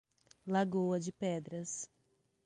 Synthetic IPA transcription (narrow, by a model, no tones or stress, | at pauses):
laɡowɐd͡ʒɪpɛd̪ɾɐs